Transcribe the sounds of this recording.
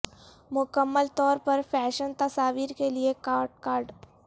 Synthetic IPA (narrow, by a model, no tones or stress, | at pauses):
mʊkəmːəlt̪ɔːɾpɐɾfʰɛːʃənt̪ɐsaːʋiːɾkeliekaːɖkaːɾɖ